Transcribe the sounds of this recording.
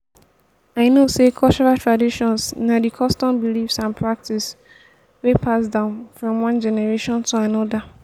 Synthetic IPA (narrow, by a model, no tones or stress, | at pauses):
aɪnosekʰɔt͡ʃɔɹatʰɹadiʃɔ̃nsnadikʰɔstɔ̃mbilifsãnpʰɹak̚tis | wepʰasdãʊ̃nfɹɔ̃mwɔ̃nd͡ʒɛnɛɹeʃɔ̃ntʰuanɔda